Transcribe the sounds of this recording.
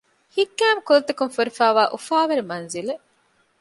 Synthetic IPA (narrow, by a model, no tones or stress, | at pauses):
hikːæːmkulɐt̪ɐkunfuɾifæːʋaːʔufaːʋɐɾimɐnzile